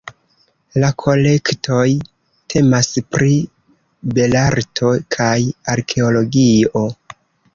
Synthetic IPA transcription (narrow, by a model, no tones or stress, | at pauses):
lakʰo̞le̞kto̞j | tʰe̞maspɾi | be̞laɾtʰo̞kʰajaɾkʰe̞olo̞ɡio̞